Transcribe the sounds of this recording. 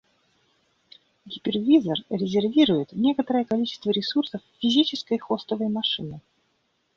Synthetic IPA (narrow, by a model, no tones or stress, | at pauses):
ɡʲɪpʲɪrvʲizərɾʲɪzʲɪrvʲiɾʊjɪt̪nʲe̞kət̪əɾəjəkɐlʲit͡ɕɪst̪vəɾʲɪsursəfːʲɪzʲit͡ɕɪskəjxo̞st̪əvəjmɐʂɨnɨ